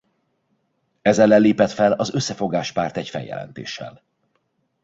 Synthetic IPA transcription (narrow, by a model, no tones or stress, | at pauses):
ɛzɛlːɛlːeːpɛt̪fɛlɒzø̞sːɛfo̞ɡaːʃpaːrt̪ɛcfɛ̰jɛ̰lɛ̰nt̪ḛːʃːɛ̰l